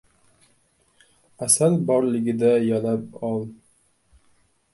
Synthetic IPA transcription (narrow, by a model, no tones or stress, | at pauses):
æsælbɒɾlɘɡɘ̆d̪æjɒnɑpɒlˠ